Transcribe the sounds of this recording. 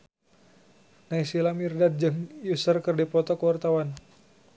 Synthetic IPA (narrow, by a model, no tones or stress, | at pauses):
naisilamirdad̪̚d͡ʒəmjusərkɨrdipɔt̪ɔkəwart̪awan